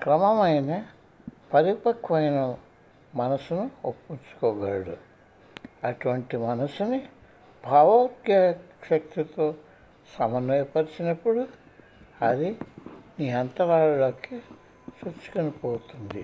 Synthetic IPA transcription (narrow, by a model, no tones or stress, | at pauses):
kɾɐmɐmɐjnɐ | pɐɾipɐkʋɐjnɐ | mɐnɐsunuopːunt͡ʃu̥kɔːɡaːɽṵ | ɐʈuʋɐɳʈimɐnɐsuni | bʱaːʋɐːt̪jaʃɐk̚t̪it̪oː | sɐmɐnɐjpɐɾisinɐpːuɽu | ɐd̪iniːɐnt̪ɐɾaːɭuloːki | sut͡ʃːu̥konipoːt̪und̪i